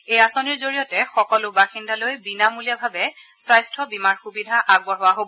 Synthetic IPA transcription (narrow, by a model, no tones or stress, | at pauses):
ejasoniɹzoɹijɔtɛxɔkɔlʊbaxindalojbinamuliabʱabɛsajstʰɔbimaɹxubidʱaʔaɡbɔɦowaɦobɔ